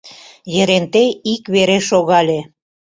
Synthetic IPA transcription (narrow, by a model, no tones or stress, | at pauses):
jə̆ɾent̪eikβeɾeʃoɣɑlʲe